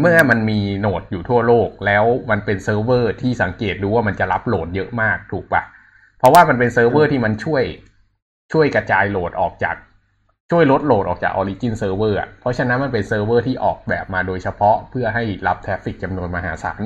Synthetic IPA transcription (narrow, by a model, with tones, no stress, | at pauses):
mɯ˥˩ɐma˧nmiː˧noː˨˩t̪̚juː˨˩t̪ʰu˥˩ɐloː˥˩k̚lɛː˦˥wma˧npe˧nsɤː˧˥wɤː˥˩t̪ʰiː˥˩sa˩˦ŋkeː˨˩t̪̚duː˧waː˥˩ma˧nt͡ɕa˨˩la˦˥p̚loː˩˦njɤ˦˥ʔmaː˥˩k̚t̪ʰuː˨˩k̚pa̰˨˩ | pʰɾɔ˦˥waː˥˩ma˧npe˧nsɤː˧wwɤː˥˩t̪ʰiː˥˩ma˧nt͡ɕʰu˥˩əj | t͡ɕʰu˥˩əjkɾa˧t͡ɕaː˧jloː˨˩t̪̚ʔɔ̰ː˨˩k̚t͡ɕa̰ː˨˩k̚ | t͡ɕʰu˥˩əjlo˦˥t̪̚loː˨˩t̪̚ʔɔː˨˩k̚t͡ɕa̰˨˩k̚ʔɔː˧liː˦˥t͡ɕi˥˩nsɤː˧wɤː˥˩ʔa̰˩ʔpʰɾɔ˦˥t͡ɕʰa˧na˦˥nma˧np̬e˧nsɤː˧wɤː˥˩t̪ʰiː˥˩ʔɔ̰ː˨˩k̚bɛ̰ː˨˩p̚maː˧doː˧jsʰa˧pʰɔ˦˥pʰɯ˥˩ɐəɦa˥˩jla˦˥p̚t̪ʰɾɛ˦˥fi˨˩k̚t͡ɕa˧mnu˧ənmaː˧ɦa̰ː˩˦sa̰ː˩˦n